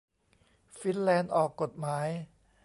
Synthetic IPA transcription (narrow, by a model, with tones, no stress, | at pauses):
fi˦˥nlɛː˧nʔɔː˨˩kːo˨˩t̪̚maː˩˦˥j